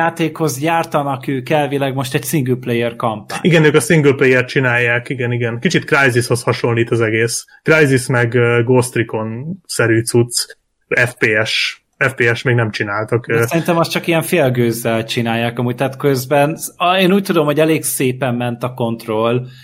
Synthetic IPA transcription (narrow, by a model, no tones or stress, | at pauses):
aːt̪eːkho̞zɟaːrt̪ɒnɒkøːkɛlvilɛɡmo̞ʃt̪ɛɟsiŋɡylplejːɛrkɒmpaːiɡɛnøːkɒsiŋɡølplejɛrt̪̚t͡ʃinaːjːaːkiɡɛniɡɛnkit͡ʃit̪krajzisho̞shɒʃo̞nliːt̪ɒzɛɡeːs | krajzismɛɡɡoːst̪riko̞nsɛɾyːt̪sut̪s | ɛfpeːɛʃ | ɛfpeːɛʃmeːɡnɛmt͡ʃinaːlt̪ɒksɛɾint̪ɛmɒst̪t͡ʃɒkijɛɱfeːlɡøːzːɛlt͡ʃinaːjːaːkɒmuːɟ̚t̪aːt̪køzbɛneːnuːc̚t̪ud̪o̞mhoɟɛleːɡseːpɛmːɛnt̪ɒko̞nt̪ro̞l